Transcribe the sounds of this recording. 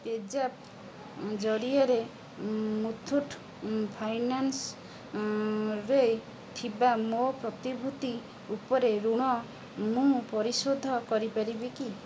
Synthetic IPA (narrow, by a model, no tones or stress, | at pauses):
ped͡ʒap̚ | d͡ʒɔɽiɔɾe | mut̪ʰːuʈʰ | pʰajnans | ɾe | t̪ʰibamopɾɔt̪ibʱut̪i | upɔɾeɾuɽ̃ɔ | mũpɔɾisod̪ʱɔkɔɾipaɾibiki